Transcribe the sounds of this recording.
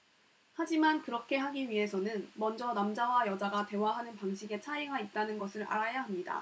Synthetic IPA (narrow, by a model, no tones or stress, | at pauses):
had͡ʑimankɯɾʌkʰe̞ɦaɡiɥiɦe̞sʰʌnɯnmʌnd͡ʑʌnamd͡ʑawajʌd͡ʑaɡate̞waɦanɯnpaŋɕʰiɡe̞t͡ɕʰaeŋɦait̚t͈anɯnɡʌsʰɯɾʔa̰ɾajaɦamɲida̰